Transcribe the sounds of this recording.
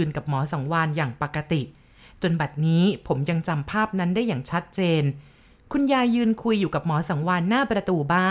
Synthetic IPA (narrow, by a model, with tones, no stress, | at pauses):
ɯː˧nka˨˩p̚mɔː˩˦sa˩˦ŋwaː˧njaː˨˩ŋpa˨˩kːa˧t̪i˨˩ | t͡ɕo˧nba˨˩t̪̚niː˦˥pʰo˩˦mja˧ŋt͡ɕa˧mpʰaː˥˩p̚na˦˥ndaː˥˩jːaː˨˩ŋt͡ɕʰa˦˥t̪̚t͡ɕeː˧n | kʰu˧njaː˧jɯː˧nkʰu˧jːuː˨˩ka˨˩p̚mɔː˩˦sa˩˦ŋwaː˧nːaː˥˩pɾa˧t̪uː˧baː˥˩